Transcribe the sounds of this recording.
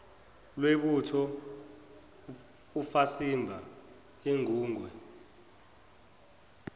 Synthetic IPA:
lweɓutʰɔ | ufasimbʱa | eŋʱuːŋwɛ

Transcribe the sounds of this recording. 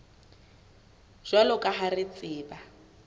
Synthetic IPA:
ʒ̥walʊkʼaɦarɪt͡sʼɪːba

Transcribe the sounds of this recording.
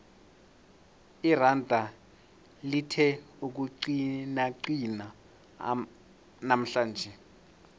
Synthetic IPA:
irandʱa | litʰɛ | uk̬uǀinaǀina | nam̩ɬaːnd͡ʒʱɛ

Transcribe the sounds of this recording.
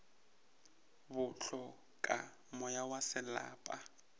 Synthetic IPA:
bʊɬɔ | kʼa | mɔjawasɪla̰ːpʼa

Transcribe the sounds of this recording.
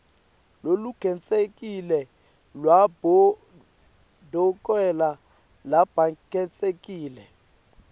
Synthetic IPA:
loluɡ̥ʱɛnt͡sʼekʼilɛ | lwabɔ | dʱɔkʼwɛla | lab̥ʱakɛnt͡sʼekʼiːlɛ

